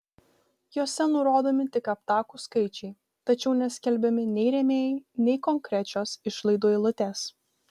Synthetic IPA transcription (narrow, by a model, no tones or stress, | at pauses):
joːsʲɛnʊɾoːd̪oːmʲɪt̪ʲɪkɐpt̪ɑːkuskɐɪt͡ʃʲɛɪ | t̪ɐt͡ʃʲɛʊnʲɛsʲkʲɛlʲbʲɛmʲɪnʲɛɪɾʲɛmʲeːjnʲɛɪkɔŋʲkɾʲɛt͡ʃʲoːsɪʃlˠɐɪd̪oːilˠʊt̪ʲeːs